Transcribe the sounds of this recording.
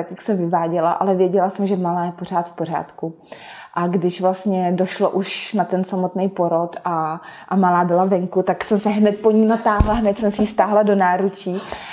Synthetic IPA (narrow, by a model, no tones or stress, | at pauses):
t̪akjaksɛmvɪvaːɟɛlaʔalɛvjɛɟɛlasɛmʒɛmalaːjɛpor̝aːt̪fpor̝a̰ːt̪ku | ʔaɡdɪʃvlast̪ɲɛdo̞ʃloʔuʃnat̪ɛnsamot̪nɛjpo̞ɾo̞t̪ʔaʔamalaːbɪlavɛŋkut̪aksɛmsɛɦnɛt̪̚po̞ɲinat̪aːɦlaɦnɛt̪sɛmsɛjist̪aːɦlado̞naːɾut͡ʃiː